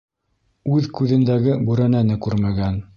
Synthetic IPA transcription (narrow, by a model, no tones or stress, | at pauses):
ʉðkʉðɘ̆nd̪æɡɘbʉɾænænɘkʉɾmæɡæn